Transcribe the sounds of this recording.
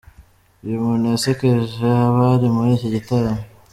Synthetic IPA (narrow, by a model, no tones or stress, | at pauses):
imunesekeʒeaβaɾimuɾiːcoɟitaɾame